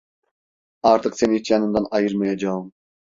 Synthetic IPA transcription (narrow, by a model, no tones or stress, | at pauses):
ɑɾt̪ʰɯqse̞nit͡ʃjɑnɯnd̪ɑnɑjɯɾmenend͡ʒɑɯm